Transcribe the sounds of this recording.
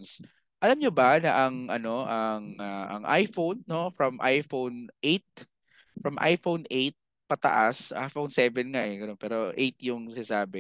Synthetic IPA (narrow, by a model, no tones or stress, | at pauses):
ns | ʔɐlamɲobanɐʔɐŋʔɐno̞ʔɐŋaʔɐ̰ŋʔa̰jfownːo̞fɹɐmʔajfownʔejt̪̚ | fɹɐmʔa̰jfownʔejt̪̚ | pɐt̪ɐ̰ʔasʔa̰jfownsɛːvɛnŋaʔɛɡɐnonpɛːɾo̞ʔejt̪jʊŋsɪnɐsaːbɛ